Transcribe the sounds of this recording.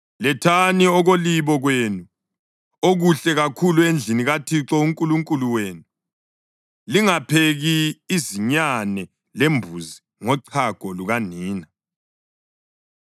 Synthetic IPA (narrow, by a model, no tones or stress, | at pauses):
lɛtʰaniɔɣoliβɔɣwenu | oɣuɬɛɣakʰuluend͡ɮʱiniɣatʰiǁɔuŋkʼuluŋkʼuluweːnu | liŋapʰeɣiːziɲanɛ | lembʱuzi | ŋɔǀʰaɡ̥ʱɔluɣaniːna